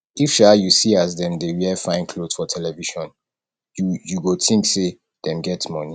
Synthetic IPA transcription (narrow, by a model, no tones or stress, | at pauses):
ifʃajusiazdɛ̃mdewɛfãɪ̃nkʰloz̥fɔtʰɛlɛviʃɔ̃n | jujuɡotʰĩŋkse | d̥ɛ̃mɡɛtsmɔ̃ni